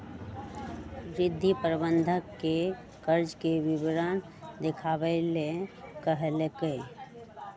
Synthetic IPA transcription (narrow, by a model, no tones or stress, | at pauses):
ɾɪd̪ʱːipəɾbə̃nd̪ʱəkːe | kəɾd͡ʒkeʋɪʋɾən | d̪ɪkʰaːʋelekəɦlekeː